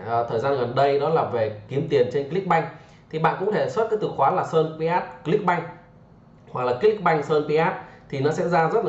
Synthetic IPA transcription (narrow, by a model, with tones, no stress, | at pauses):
t̪ʰəː˨˩jzaː˧nɣə˨˩nɗə˧jɗɔ˨˦laː˨˩ve˨˩ki˨˦əmt̪i˨˩ənt͡ɕe˧nkli˦˥k̚ɓa˧jŋ̟ | t̪ʰi˨˩ɓa̰ː˧˨nkʊ̰˧˥ŋ͡mt̪ʰe˧˩swə˦˥t̚kaː˨˦jt̪ɨ˨˩xwaː˨˦laː˨˩səː˧npi˧ʔaː˦˥t̚kli˦˥k̚ɓa˧jŋ̟ | hwa˨˩k̚laː˨˩ki˦˥li˦˥k̚ɓa˧jŋ̟səː˧npi˧ʔaː˦˥t̚t̪ʰi˨˩nɔ˨˦sɛ̰˧˥zaː˧zə˦˥t̚la˧˨